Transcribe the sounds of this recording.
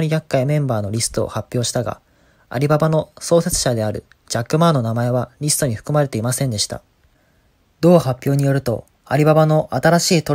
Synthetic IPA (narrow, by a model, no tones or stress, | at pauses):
ɲijakːaimẽ̞mbaːno̞ɾʲisɨ̥t̪oo̰hapʲːjo̞ːɕi̥t̪aɡa̰ | a̰ɾʲibabano̞so̞ːset͡sɨ̥ɕad̪e̞aɾɯ̟̰ | d͡ʑakːɯ̟maːno̞namae̞βaɾʲisɨ̥t̪o̞ɲ̟iɸɯ̥kɯ̟maɾe̞t̪e̞imasẽ̞nd̪e̞ɕi̥t̪a̰ | d̪o̞ːhapʲjo̞ːɲ̟ijo̞ɾɯ̟t̪o̞̰ | aɾʲibabano̞ʔat̪aɾaɕiːt̪o̞